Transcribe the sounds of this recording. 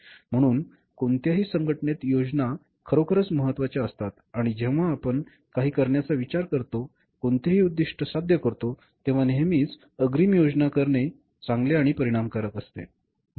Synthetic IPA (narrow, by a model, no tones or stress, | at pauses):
m̤əɽ̃uːn | kont̪jaɦiːsəŋɡəʈɳet̪jod͡ʑna | kʰəɾokʰəɾət͡sməɦət̪ːʋat͡ɕjaəst̪at̪aɽ̃id͡ʑeʋ̤aːpəɳ | kaɦiːkəɾɳjat͡saʋit͡ɕaɾkəɾt̪o | kont̪eɦiːud̪ːiʂʈʰəsad̪ʱjəkəɾt̪o | t̪ẽʋ̤anemiːt͡s | əɡɾiːmjod͡znakəɾɳe | t͡sãŋɡleaɽ̃ipəɾiɽ̃amkəɾət̪əst̪ḛ